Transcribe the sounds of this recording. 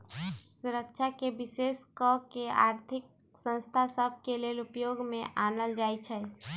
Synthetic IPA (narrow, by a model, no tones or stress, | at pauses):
sʊɾəkt͡ʃʰakebɪseːskɔkea̰ːɾt̪ʰɪk̚ | sə̃nst̪ʰasəb̚ʱkeleːlʊpjoːɡmẽʔaːnəld͡ʒaːit͡ʃʰɛ